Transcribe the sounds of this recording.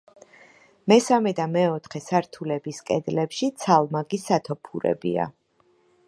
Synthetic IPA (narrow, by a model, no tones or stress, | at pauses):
mɛsamɛd̪amɛɔt̪ʰχɛsaɾt̪ʰulɛbiskʼɛd̪lɛpʃit̪sʰalˠmaɡisat̪ʰɔpʰuɾɛ̰bḭa̰